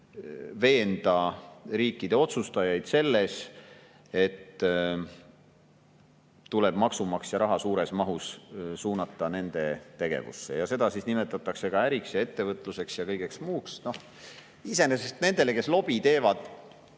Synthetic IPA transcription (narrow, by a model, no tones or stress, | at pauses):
ve̞ːnd̪̥ɑɾiːkːid̪̥e̞o̞t̪sust̪ɑjɑjd̪̥se̞lːe̞s | e̞t̪ː | t̪ːule̞b̥mɑksumɑksjɑɾɑɦɑsuːɾe̞smɑɦussuːnɑt̪ːˑɑne̞nd̪̥e̞t̪e̞ɡ̥e̞̰vṵsːe̞̰jɑse̞d̪̥ɑsisnime̞t̪ːˑɑt̪ːˑɑkse̞ɡ̥ɑæɾiksjɑe̞t̪ːe̞vɤt̪ˑluse̞ksjɑkɤjɡ̥e̞ksmuːksno̞h | ise̞nesest̪ne̞nd̪̥e̞le̞ke̞slo̞b̥it̪e̞ːvɑd̪̥